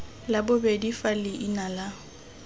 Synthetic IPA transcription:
labʊbedifalɪʔinala

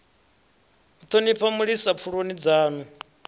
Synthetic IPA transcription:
ut̪ʰonipʰamuɺisap̪fʰuɺonid͡zaːnu

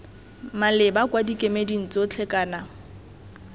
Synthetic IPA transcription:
malɪbakwadikʼemedin̩t͡sʼot͡ɬʰɛkʼaːna

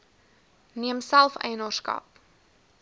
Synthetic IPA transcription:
niəmsælˠfɛ̰jnərskɐ̰p̚

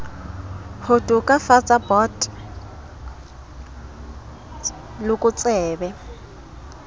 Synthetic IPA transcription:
hʊtʼʊkʼafat͡sʼabɔtʼ | lʊkʼʊt͡sʼɛːbɛ

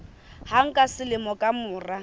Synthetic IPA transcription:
haŋ̩kʼasɪlɪmɔkʼamʊːra

